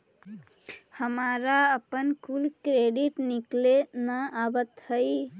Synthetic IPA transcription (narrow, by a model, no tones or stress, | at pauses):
həmaɾaəpənkulkɾeɖiʈniklenəabət̪həɪ